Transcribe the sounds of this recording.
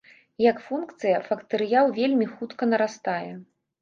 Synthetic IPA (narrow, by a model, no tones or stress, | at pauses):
jɐkfunkt̪sɨjɐfɐkt̪ɨɾɨjawvʲelʲmʲixut̪kɐnɐɾast̪ajɛ